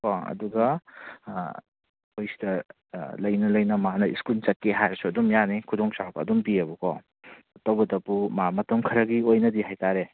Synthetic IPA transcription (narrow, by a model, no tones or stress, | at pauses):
kɔɐ̰duɡɐ | ojsi̥dɐ | lɐjnɐlɐjnɐmanɐḭskult͡ʃɐt̚kːeɦajsuɐdumjanikʰudɔŋsawbɐːdumpiɐbukɔ | ɐtowbɐdɐpumamɐtɐmkʰɐɾɐɡiojnɐdiɦajtaɾe